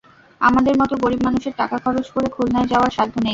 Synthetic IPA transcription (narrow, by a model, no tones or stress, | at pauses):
a̰mad̪eɾmɔt̪oɡoɾibmanuʃeɾʈakakʰɔɾot͡ɕkoɾekʰulnaed͡ʑaoaɾʃad̪ʱːonej